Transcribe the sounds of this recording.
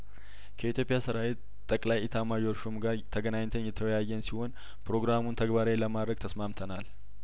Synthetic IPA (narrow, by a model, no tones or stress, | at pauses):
kʰəit̪ʰjo̞pʼɪjasɨɾawe | t̪ʼːəkʼlajit̪ʰamajoɾʃumɡaɾt̪ʰəɡənaɲt̪ʰənjɛt̪ʰəwjajːɛnsiho̞n | pɾo̞ɡɾamunt̪ʰəɡbaɾeləmad̪ɾəɡ̚t̪ʰəsmamt̪ʰənal